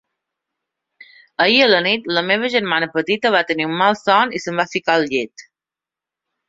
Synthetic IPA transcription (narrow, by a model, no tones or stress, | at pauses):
əiələnit̪ləmeβ̞əʒəɾmanəpət̪it̪əβat̪əniumːalˠsɔnisəmbafikalˠʎet̪